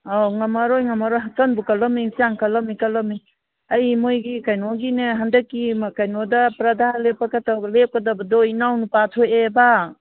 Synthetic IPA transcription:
awŋɐmɐɾojŋɐmɐɾojɦatɐnbukɐlɐmisiaŋkɐlɐmikɐlɐmi | ɐjmojɡikajnɔɡineɦandɐkːimɐkajnɔdɐpɾɐd̪ʱalepakatʰalep̚kɐdabɐdɔinawnupatʰojeba

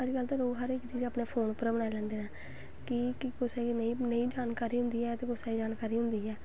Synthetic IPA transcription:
əɾiːɡəlt̪ãːloːɡɦəɾɪkt͡ʃiːd͡ʒaːpneːpʰoːnpəɾbəɽ̃aːilɛ̃ːnd̪eːnaː | kɪkɪkʊsaːɡiːnəĩːnəĩːd͡ʒaːnkaːɾiːɦʊ̃nd̪iːɛːt̪eːkʊsaːiːd͡ʒaːnkaːɾiːɦʊ̃nd̪iːɛː

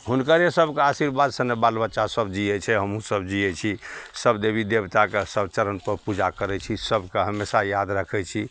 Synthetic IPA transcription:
ɦunkəɾesəbʱkeasiɾbad̪sənːebalbətːʃasəbd͡ʒiɛt͡ʃʰɛɦəmũsəbd͡ʒiɛt͡ʃʰisəbd̪ebʱid̪ebt̪akesəbt͡ʃəɾənpəɾpud͡ʒakəɾɛt͡ʃʰisəbkeɦəmesajad̪ɾəkʰɛt͡ʃʰi

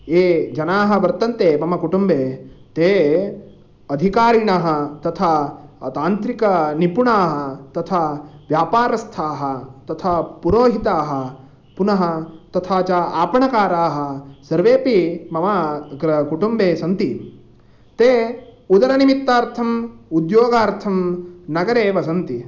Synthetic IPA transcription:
eːd͡ʒɐnaːɦɐ̆ʋɐɾt̪ɐnt̪eːmɐmɐkuʈumbeːt̪eː | ɐd̪ʱikaːɾiɳɐɦɐ̆t̪ɐt̪ʰat̪aːnt̪ɾikɐnipuɳaːɦɐt̪ɐt̪ʰaʋjaːpaːɾɐst̪ʰaːɦɐ̆t̪ɐt̪ʰapuɾoːɦit̪aːɦɐ̆ | punɐɦɐt̪ɐt̪ʰaːt͡ʃaaːpɐɳɐkaːɾaːɦɐ̆sɐɾʋeːpimɐʋaːɡɾɐkuʈumbeːsɐnt̪i | t̪eːud̪ɐɾɐnimit̪ːaːɾt̪ʰɐmud̪joːɡaːɾt̪ʰɐmnɐɡɐɾeːʋɐsɐnt̪i

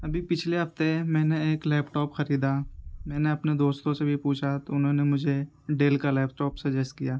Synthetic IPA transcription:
ɐbʱipɪt͡ʃʰleɦɐft̪emɛ̃ːneeːklɛːpʈɔːpxɐɾiːd̪amɛ̃ːneɐpned̪oːst̪õsebʱipuːt͡ʃʰat̪oʊnɦõːnemʊd͡ʒʱe | ɖeːlkalɛːpʈɔːpsɐd͡ʒɛsʈkijaː

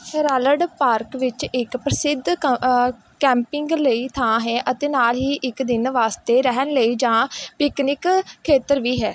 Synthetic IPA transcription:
ɾaːləɖpaːɾkʋɪt͡ʃɪkpɾəsɪd̪ʱ | kɛ̃ːmpɪŋɡləiːt̪ʰãːɦɛːʔət̪eːnaːlɦiːʔɪkd̪ɪnʋaːst̪eːɾɛɦənləiːd͡ʒãːpɪknɪkʰːeːt̪əɾʋiːɦɛː

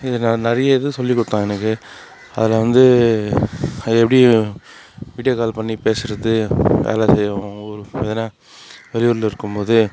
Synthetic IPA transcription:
ɪðɯnnɐɾɐjɐɪðɯsɔlːikːʊɽɯt̪ːãːɛnːɐkːɯ | ɐ̰ðɪlɐʋɐnd̪ɯ | ɛpːɐɽi | ʋiːɽɪjɐːkaːlpɐɳːipeːsɪɾɐðɯʋḛːlɐsɛjːɐʋõːɔɾɯeːðɐnːaː | ʋɛlɪʋʊɾɯlɪɾɯkːɯmpoːðɯ

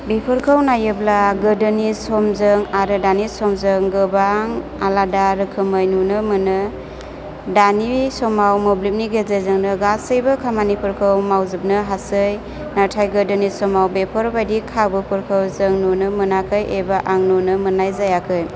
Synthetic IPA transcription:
bipʰɯɾkʰɯwnajɯblaɡɯdɯnisɔmzɯŋaɾɯdanisɔmzɯŋɡɯbaŋaladaɾɯkʰɯmɯjnunɯmɯnɯ | danisɔmawmɔblip̚niɡezazɯŋnɯɡasɯjbɯkʰamanipʰɯɾkʰɯwmawzɯp̚nɯɦasɯj | natʰajɡɯdɯnisɔmawbepʰɔɾbajdikʰabɯpʰuɾkʰɯwzɯŋnunɯmɯnakʰɯjebaʔaŋnunɯmɯnajzajakʰɯj

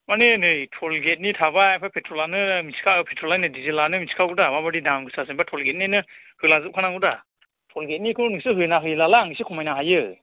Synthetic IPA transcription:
manenɯjtʰɔlɡet̚nitʰaβaajpʰapʰetʰɾɔlanɯmiskʰapʰetʰɾɔlajnɯdizilanɯmisi̥kʰaɡudamabadidamɡɯsasɯŋbatʰɔlɡet̚nenɯ | hɯlazɯp̚kʰanaŋɡuda | tʰɔlɡet̚nikʰɯnɯsɯɦɯjnaɦɯjlalaŋisikʰɔmajnaɦajɯ

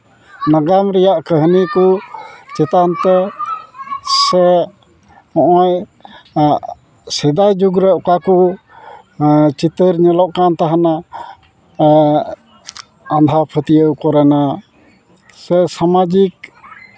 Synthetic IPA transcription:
naɡamɾɛjaʔkəɦnikut͡ʃɛt̪ant̪ɛ | sɛ | ɔʔɔj | sɛd̪ajd͡ʒuɡɾɛʔɔkaku | t͡ʃit̪əɾɲɛlɔʔkant̪aɦana | and̪ʱapʰət̪ijəwkɔɾɛna | sɛsamad͡ʒik̚

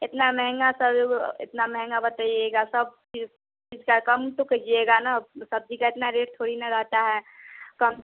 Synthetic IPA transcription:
ɪt̪namɛɦɛ̃ŋɡasɐbɪ̰t̪namɛɦɛ̃ŋɡabɐt̪aːieːɡasɐb̚t͡ʃi | t͡ʃiːd͡ʒkakɐmt̪okɐd͡ʒieːɡanasɐb̚d͡ʒikaɪt̪naɾeːʈt̪ʰoːɽinaɾɐɦt̪aɦɛːkɐm

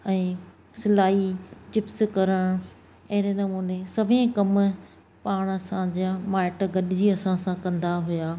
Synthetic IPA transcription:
ɛ̃ː | sɪlaːit͡ɕɪpskɐɾəɽ̃ | ɐɦɾenɐmuːnesɐʋ̤ẽkɐm | paːɽ̃ɐsãd͡ʑamaːɪʈɡɐɗɪd͡ʑiɐsãsãkɐ̃nd̪aɦʊjaː

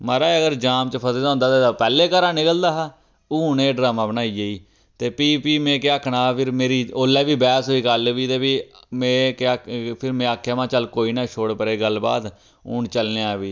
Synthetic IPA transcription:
məɾaːeːəɡəɾd͡ʒaːmt͡ʃəpʰəzeːd̪aõːnd̪aːt̪eːaːpɛːleːkəɾãːnɪkəld̪aːɦaː | uːʊnẽːɖɾaːmãːbənaːiːeiː | t̪eːpiːpiːmẽːkɪaːkʰɳãːpʰɪɾmeːɾiːoːlɛːʋiːbɛːsɦoːiːkəlʋiːt̪eːpiːmẽːkapʰɪɾmẽːaːkʰːaːmãːt͡ʃəlkoːiːnaːt͡ʃʰoːɽpəɾeːɡəlba̰ːd̪ | ʊ̰ːɳt͡ʃəlneːaːʋiː

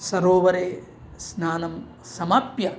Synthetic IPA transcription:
sɐɾoːʋɐɾeː | snaːnɐm | sɐmɐpjɐ

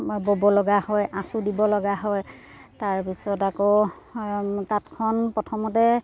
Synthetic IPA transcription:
bobɔlɔɡahɔjʔasʊdibɔlɔɡaɦɔj | taɹpisɔtako | tatkʰɔnpɔtʰɔmɔtɛ

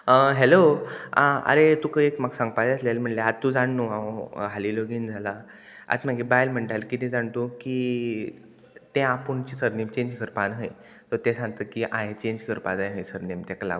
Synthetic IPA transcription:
əɦelo | ə̰ɾet̪ũkəekmaɡsãŋɡpajəslalm̤əɳleat̪t̪ũd͡zaɳnoaɦaliloɡind͡zʱala | a̰t̪m̤aɡebajlm̤əɳʈalkit̪ĩd͡zaɳt̪oki | t̪ẽapəɳt͡ɕisəɾnimt͡ɕeɲd͡ʑkʰəɾpanɦəj | t̪ɔɾt̪ẽsãŋɡt̪əkiʔãɦet͡ɕeɲd͡ʑkʰəɾpad͡zajɦəjsəɾnimt̪ɛkala̰ɡu

